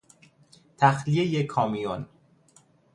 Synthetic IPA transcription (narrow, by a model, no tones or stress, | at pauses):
t̪ʰæxlijejekʰɒːmijon